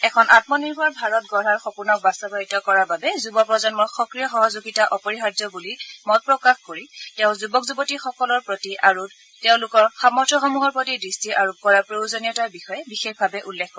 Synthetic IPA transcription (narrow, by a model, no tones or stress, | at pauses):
ɛkʰɔnʔatmɔniɹbʱaɹbʱaɹɔt̚ɡɔɹaɹxɔpunɔk̚bastɔbaɹitɔkɔɹababɛzubɔpɹɔzanmɔɹxɔkɹijɔxɔɦɔzuɡitaʔɔpɔɹiɦadɔbulimɔt̚pɹɔkaxkoɹiteʊ̃zubɔkzubɔtixɔkɔlɔɹpɹotiʔaɹu | teʊ̃lʊkɔɹxamɔɹtʰɔxɔmuɦɔɹpɹotidɹistʰiʔaɹup̚kɔɹapɹowzɔnijɔtaɹbixɔjɛbixexbʱabɛʔulːekkːɔ